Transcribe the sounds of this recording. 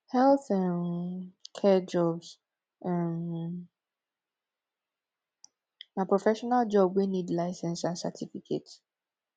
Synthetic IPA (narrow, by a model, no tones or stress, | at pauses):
hɛlˠθãnmkʰɛd͡ʒɔbs | ɛm | mapɹɔfɛʃɔnald͡ʒɔbwinidlaɪsɛ̃nsãnsa̰tʰifikʰḛt